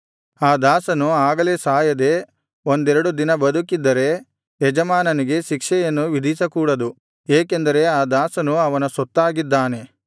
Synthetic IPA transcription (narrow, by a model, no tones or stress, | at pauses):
aːd̪aːsɐnuaːɡɐle̞ːsaːjɐd̪e̞ | ond̪ɛɾɐɽud̪inɐbɐd̪ukid̪ːɐɾe̞ | ɛd͡ʒɐmaːnɐniɡe̞ʃikʂɛjɐnːuʋid̪ʱisɐkuːɽɐd̪u | eːkend̪ɐɾe̞aːd̪aːsɐnuɐʋɐnɐsɔt̪ːaːɡid̪ːaːne̞